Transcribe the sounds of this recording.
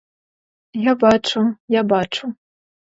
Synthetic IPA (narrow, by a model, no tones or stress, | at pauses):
jabaʈ͡ʂʰɐjabaʈ͡ʂʰɐ